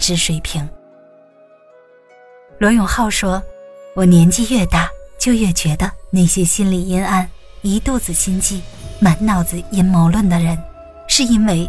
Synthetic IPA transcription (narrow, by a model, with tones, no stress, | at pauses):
ʈ͡ʂɻ̩˥ʂwe˨˩ɪpʰi˧˥ŋ | lwɔ˧˥jʊ˨˩ŋxɑ˥˩ʊʂwɔ˥wɔ˨˩njɛ˧˥nt͡ɕi˥˧ɥɛ˥˧t̪a˥˩t͡ɕjo˥˧ʊɥɛ˥˩t͡ɕɥɛ˧˥d̪ə˧na˥˩ɪɕjɛ˥ɕi˥nli˨˩i˥na˥˩n | i˧˥t̪u˥˧t͡sɹ̩˨˩ɕi˥nt͡ɕi˥˩ma˧˥nnɑ˥˩ʊt͡sɹ̩˨˩i˥nmɑ˧˥ʊlwə˥˩nd̪ə˩ɻə˧˥n | ʂɻ̩˥˩˧i˥nwe˥˩ɪ